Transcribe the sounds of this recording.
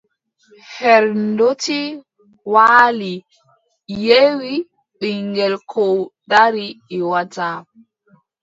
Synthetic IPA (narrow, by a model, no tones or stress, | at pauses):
hɛɾndoti | waːli | jewi | ɓiŋɡɛlkʰɔwdaɾiːwataː